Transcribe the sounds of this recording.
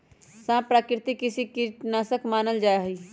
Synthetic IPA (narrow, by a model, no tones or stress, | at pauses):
sãːpɾaːkɾɪt̪ikɪsikinaːsəkmaːnəld͡ʒaːeɦiː